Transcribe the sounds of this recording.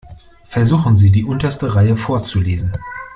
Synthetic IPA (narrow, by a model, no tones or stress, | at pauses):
fɛɐzuːxn̩ziːdiːʔʊntɐstəʁaɪəfoːɐt͡suleːzn̩